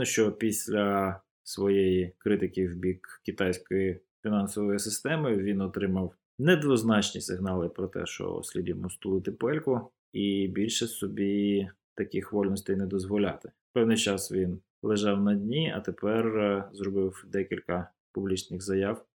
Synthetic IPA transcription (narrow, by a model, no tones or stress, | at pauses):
ʊʃt͡ʃɔpʲisʲlʲɐ | sʋɔjejiikɾɪt̪ɪkʲɪwbʲikkʲit̪ɑjsʲkɔji | fʲinɑnsɔʋɔjisɪst̪ɛmʊjʊʋʲinɔt̪ɾɪmɐw | nɛd̪ʋɔznɑt͡ʃnʲisɪɦnɑlˠɪpɾɔt̪ɛ̰ʃt͡ʃɔ̰sʲlʲidʲimʊst̪lˠʊt̪ɪpɛlʲkʊ | ibʲilʲʃɛssɔbʲi | t̪ɐkɪxʋɔlʲnɔsʲt̪ɛjnɛd̪ɔzʋɔlʲɑ̰t̪ɪ̥ | pɛwnɪjt͡ʃɑsʋʲin | lˠeʒɑwnɐdʲnʲiɐ̰t̪epɛrzrɔbɪwd̪ɛkʲilʲkɐ | pʊblʲit͡ʃnɪxzɐjɑw